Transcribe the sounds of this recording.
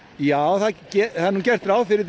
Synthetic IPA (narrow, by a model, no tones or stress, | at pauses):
jaːwθaðcɛθahuncɛr̥t̪ɾawðfɪɾɪɾ